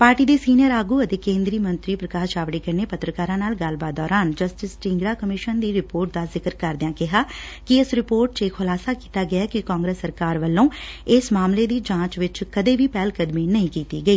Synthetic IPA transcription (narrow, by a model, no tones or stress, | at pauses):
paːɾʈiːd̪eːsiːnɪjəɾaːɡuːət̪eːkẽːnd̪ɾiːmə̃nt̪ɾiːpɾəkaːt͡ʃaːʋɽiːkəɾneːpət̪ɾəkaːɾãːnaːlɡəlbaːt̪̚d̪ɔːɾaːnd͡ʒəsʈɪsʈɪ̃ŋɡɾaːkəmɪʃənd̪iːɾɪpoːɾʈ̚d̪aːzɪkəɾkəɾd̪ãːkɪɦaː | kɪɪsɾɪpoːɾʈ̚t͡ʃɪkʰhʊlaːsaːkiːt̪aːɡɪaːkɪkãːŋɡɾeːsːəɾkaːɾʋəlːõːɪsmaːmleːd̪iːd͡ʒãːt͡ʃʋɪt͡ʃkəd̪eːʋiːpɛːlkəd̪miːnəĩːkiːt̪ḭːɡəiː